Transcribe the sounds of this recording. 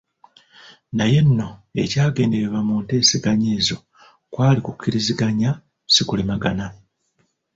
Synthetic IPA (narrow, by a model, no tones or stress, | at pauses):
naje̞nːo̞e̞̰caːɡe̞ːnde̞ɾeβwamunte̞ːsiɡaɲeːzo̞ | kwaːlikukːiɾiziɡaɲa | sikulemaɡana